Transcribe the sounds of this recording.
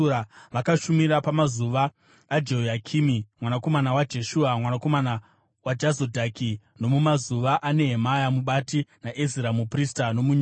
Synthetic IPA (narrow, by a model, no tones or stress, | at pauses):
aʋakaʃumiɾapamazuʋaː | d͡ʒeojakʰiːmimwanako̞manawad͡ʒe̞ʃuːamwanako̞mana | wad͡ʒazodʱakʰi | no̞mumazuʋaʔane̞ɦemajamuɓatinaʔeziɾamupristano̞muɲ